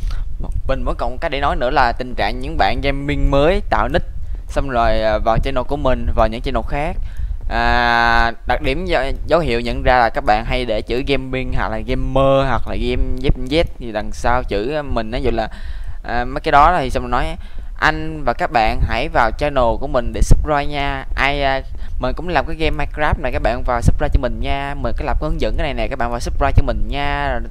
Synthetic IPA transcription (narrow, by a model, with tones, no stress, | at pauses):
mï˨˩ŋ̟və˨˦nkɔ˨˩˨kaː˧˦˥k̚ɗḛ˧˩˦nɔ˨˦jnɨ̰˧˥əlaː˨˩t̪ï˨˩ŋ̟t͡ɕa̰ː˧˨ŋɲɨ̰˧˥ŋɓa̰ː˧˨nɣɛ˧mːi˧ŋməː˨˦jt̪a̰ː˧˨wnï˦˥t̚sa˧wŋ͡mzo˨˩jvaː˨˩wt͡ɕaː˧jno˨˩ku˧˩əmï˨˩ŋ̟vaː˨˩wɲɨ̰˧˥ŋt͡ɕa˧no˨˩xaː˦˥k̚ʔaː˨˩ | ɗa˨˩t̚ɗi˧˩ə˧zə˨˦whḭ˧˨əwɲə̰˧˨nzaː˧laː˨˩kaː˦˥k̚ɓa̰ː˧˨nɦa˧jɗe˧˩t͡ɕɨ̰˧˩ɣɛ˧mːi˧əŋɦa˨˩laː˨˩ɣɛ˧mːəː˧hwa˨˩k̚laː˨˩ɣɛ˧mzɛ˦˥p̚zɛ˦˥t̚t̪ʰi˨˩la˨˩ŋsaː˧wt͡ɕɨ̰˧˩˧mï˨˩ŋ̟ʔaː˨˦zṵ˧˨laː˨˩ʔəː˨˩mə˨˦jkaː˨˦ɗɔ˨˦ɗɔ˨˦˥t̪ʰi˨˩sa˧wnɔ˨˦jʔa˨˦ | ʔa˧jŋ̟vaː˨˩kaː˦˥k̚ɓa̰ː˧˨nɦa˧˩jvaː˨˩wt͡ɕaː˧jno˨˩ku˧˩əmï˨˩ŋ̟ɗe˧˩sɨ˦˥p̚za˧jɲaː˧ʔaː˧j | mi̟˨˩kʊ̰˧˥ŋ͡mŋlaː˨˩mkaː˨˦jɣɛ˧mːaː˧kɾaː˦˥p̚na˨˩kaː˦˥k̚ɓa̰ː˧˨nvaː˨˩wsu˦˥p̚zaː˧t͡ɕɔ˧mï˨˩ŋ̟ɲaː˧mi˨˩nkaː˨˦jlaː˨˩mku˧˦˧nzə̰˧˥nkaː˨˦jna˨˩na˨˩ka˦˥ɓaː˧˨vaː˨˩su˦˥p̚zaː˧jt͡ɕɔ˧mï˨˩ŋ̟ɲaː˧˨˩